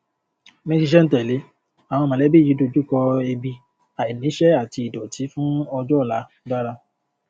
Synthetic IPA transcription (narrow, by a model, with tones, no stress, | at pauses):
mɛ̃˦˧d͡ʒi˧ʃ̬ɛ˦n̩˦tɛ˨le˨˦ | a˨w̃ɔ̃˧mã˨lɛ˨˦bi˦˨i˨˦do˧d͡ʒu˦˨kɔ˧e˧bi˧ | a˨i˨nĩ˨˦ʃɛ˦a˦˨ti˧i˨dɔ˨ti˨˦fũ˦ɔ˧d͡ʒɔ˦˨la˨˦ | da˦ɾa˧